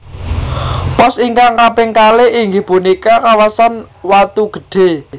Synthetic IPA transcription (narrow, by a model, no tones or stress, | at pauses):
pɔsiŋkaŋkapɪŋkaleʔiŋɡib̥unikakawasanwat̪uɡ̥ə̤̥ɖ̥e̤